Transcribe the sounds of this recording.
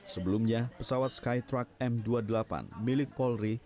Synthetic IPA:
səbəlumɲapəsawat̪̚skajt̪ɾak̚ɛmduadəlapa̰nmilɪk̚pɔlri

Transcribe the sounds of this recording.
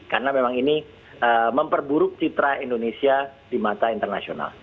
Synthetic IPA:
karnamemaŋini | əməmpərbuɾʊk̚t͡ʃit̪ɾaindonesiadimat̪aint̪ərnasiona̰l

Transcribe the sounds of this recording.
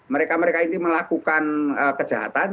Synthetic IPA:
məɾekaməɾekaint̪iməlakukanəkə̥d͡ʒaɦa̰t̪an

